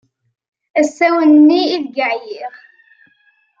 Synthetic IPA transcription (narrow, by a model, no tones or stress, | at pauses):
æsːæwənːiːðɡəʕjiʁ